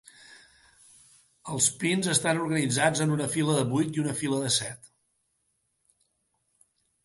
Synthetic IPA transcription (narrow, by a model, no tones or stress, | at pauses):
əlˠspinzəst̪anuɾɣənid͡zad͡zənunəfiləðəβujt̪iunəfiləðəsɛt̪